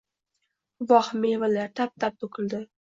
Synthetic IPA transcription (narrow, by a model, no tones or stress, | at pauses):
vɒhmevalaɾt̪ʰap̚t̪ʰap̚t̪ʰokɪld̪ɪ